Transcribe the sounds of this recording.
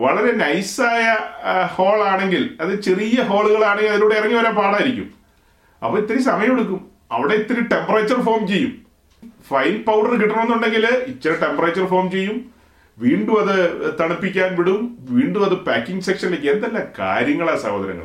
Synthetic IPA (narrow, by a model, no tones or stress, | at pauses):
ʋɐɭɐɾe̞nɐjsaːjɐho̞ːɭaːɳe̞ŋɡilɐðɨt͡ɕerijɐɦo̞ːɭuɣɐɭaːɳeŋɡilɐðinuːɽeirɐŋːɐʋɐɾaːmpaːɽaːiɾikʲːṵm | ɐ̰pːoːit̪ːɐɾisɐmɐjɐmoɽukːum | ɐ̰ʋiɽe̞it̪ːɐɾiuʈe̞mpɐrɐt͡ɕːɐrfo̞ːrmt͡ɕe̞jːum | fɐjnpɐwɖɐrɨkiʈːɐnonːuɳɖe̞ŋɡilit͡ɕːɐɾɐʈe̞mpɐrɐːt͡ɕːɐrfo̞ːmt͡ɕe̞jːum | ʋiːɳɖumɐðɨt̪ɐɳɐpːikʲːaːnʋiɽumʋiːɳɖumɐðɨpaːkːiŋɡɨse̞kʂɐnilekʲːend̪ɐlːaka̰ːɾjɐŋːɐɭaːsɐ̰hoːd̪ɐɾɐ̰ŋːɐ̰ɭ